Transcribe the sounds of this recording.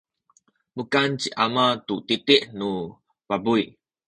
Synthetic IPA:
bukant͡ʃiʔamat̪ut̪it̪iʔnu | babuj

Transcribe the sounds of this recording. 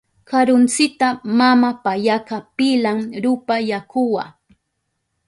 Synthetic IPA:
kaɾʊnt͡sɪt̪amamapajakapɪlamɾʊpajakʊwa

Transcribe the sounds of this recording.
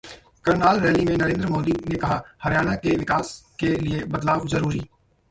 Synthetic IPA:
kɐɾnaːlɾɛːlimẽnəɾẽːnd̪ɾmoːd̪inekɐɦaːhɐɾjaːnakeʋɪkaːskelɪebət̪laːʋzəɾuːɾiː

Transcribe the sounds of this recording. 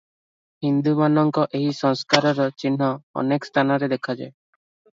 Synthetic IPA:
hind̪umanɔŋkɔʔeɦisɔŋskaɾɔɾɔt͡ʃinɦɔɔ̰nekst̪ʰanaɾed̪ekʰad͡ʒa̰j

